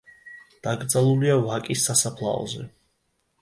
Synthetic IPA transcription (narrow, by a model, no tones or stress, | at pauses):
d̪̥aɡɾd̪zalˠuliavakʼisːasapʰlˠa̰ɔ̰zɛ̰